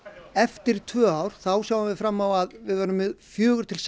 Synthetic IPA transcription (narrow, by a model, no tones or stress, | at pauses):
ɛft̪ɪɾt̪ʰvœːaːwɾ̥θawsjaːwavɪfɾamːawaðvɪðvaːɾʏmɪðfjœːɣʏɾ̥t̪ʰɪls